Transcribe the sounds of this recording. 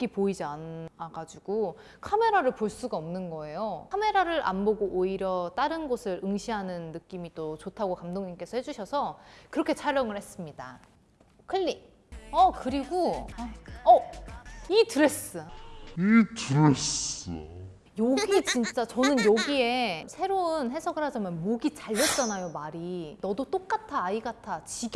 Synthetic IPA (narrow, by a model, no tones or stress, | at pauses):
k͈ipoid͡ʑianaɡad͡ʑiɡ̥o | kʰame̞ɾaɾɯɭpoɭs͈uɡaomnɯnɡʌe̞joame̞ɾaɾɯɾʔa̰nboɡoʔoiɾjʌt͈aɾɯnɡʌsʰɯɾʔɯŋɕʰiɦanɯnːɯk͈imit͈ot͡ɕotʰaɡokamdoŋɲimk͈e̞sʰʌhe̞d͡ʑuɕʰʌsʰʌkɯɾʌkʰe̞t͡ɕʰaɾʌŋɯɭhe̞s͈ɯmɲida̰ | kʰɯʎːi | ʌkɯɾiɡo | ʌ | itɯɾes͈ɯitɯɾes | joɡɡit͡ɕint͡ɕ͈at͡ɕʌnɯnjʌɡie̞sʰe̞ɾonɦe̞sʰʌɡɯɭhad͡ʑamjʌnmoɡit͡ɕaʎːʌt͡ɕ͈anajomaɾinʌdot͈ok̚k͈atʰaːiɡatʰat͡ɕiɡ